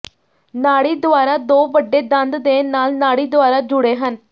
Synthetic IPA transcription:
naːɽiːd̪ʊaːɾaːd̪oːbəɖːeːd̪ənd̪d̪eːnaːlnaːɽiːd̪ʊaːɾaːd͡ʒʊɽeːɦən

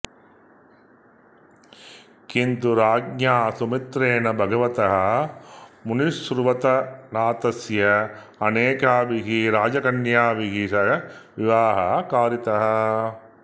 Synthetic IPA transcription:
kint̪uɾaːɡɲaːsumit̪ɾeːnɐbʱɐɡɐʋɐt̪ɐɦɐ | muniʂːɾʋɐt̪ɐnaːt̪ɐsjɐ | ɐneːkaːʋiɡiɾaːd͡ʒɐkɐnjaːʋiɡisɐʋiʋaːɦɐkaːɾit̪ɐɦɐ̆

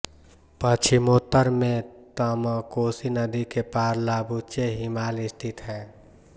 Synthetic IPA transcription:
pət͡ʃʰimoːt̪ːəɾmẽt̪əməkoːsinəd̪ikepaːɾlaːbut͡ʃeɦimaːlɪst̪ʰɪt̪ɦɛː

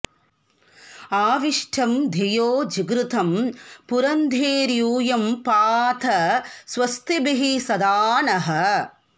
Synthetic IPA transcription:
aːʋiʂʈʰɐmd̪ʱɐjoːd͡ʒiɡɾut̪ʰɐmpuɾɐnd̪ʱeːɾjuːjɐmpaːt̪ʰɐsʋɐst̪ʰibiɦisɐd̪aːnɐɦɐ̆

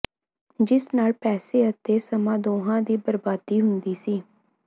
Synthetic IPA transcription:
d͡ʒɪsnaːlpɛːseːət̪eːsəmãːd̪oːɦãːd̪iːbəɾbaːd̪iːɦʊnd̪iːsiː

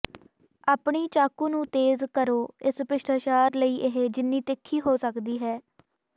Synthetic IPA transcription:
aːpɳiːt͡ʃaːkuːnũːt̪eːzkəɾoːɪspɪʃʈ̪ʰəʃaːɾləiːʔɪɦeːd͡ʒɪnːiːt̪ɪkʰːiːɦoːsəkd̪iːɦɛː

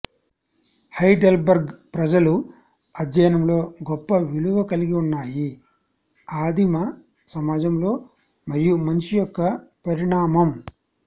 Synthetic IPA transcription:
hɐjɖɐlbɐɾɡpɾɐd͡ʒɐlu | ɐd̪jɐjɐnɐmlo̞ːɡɔpːɐʋiɭuʋɐkɐliɡiunːaːji | aːd̪ʱimɐ | sɐmaːd͡ʒɐmlo̞ː | mɐɾijumɐnt͡ʃijɔkːɐpɐɾiɳaːmɐm

